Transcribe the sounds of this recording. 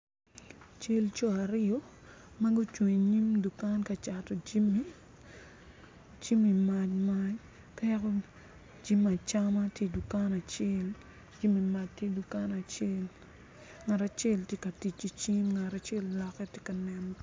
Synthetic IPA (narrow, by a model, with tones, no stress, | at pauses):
t͡ʃe˦lt͡ʃɔ˦a˨ɾɪo˦mɐ˦ɡu˦t͡ʃwe˨ɲɲi˦mdu˨ka˦nka˨t͡ʃa˨tɔ˨d͡ʒi˦mi˦ | d͡ʒi˦mi˨ma˨t͡ʃma˦ɲ | ka˦ko˦ | d͡ʒi˦ma˨t͡ʃa˦ma˦tje˦du˨ka˦na˨t͡ʃe˦l | d͡ʒi˦mi˨ma˨d͡ʒ̚tje˦du˨ka˦na˨t͡ʃe˦l | ŋa˨ɾa˨t͡ʃe˦ltje˦kɐ˨ti˨t͡ʃːi˦t͡ʃi˦mŋa˨ta˨t͡ʃe˦llɔ˨kːɛ˦tje˦kɐ˨nɛ˨m